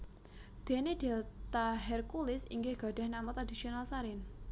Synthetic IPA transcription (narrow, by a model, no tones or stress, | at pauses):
d̪̥e̤ned̪̥e̤t̪aɦɛrkulɪsḭŋɡɪhɡ̥a̤ɖ̥a̤hnamɔt̪ɾad̪isionalsaɾɪn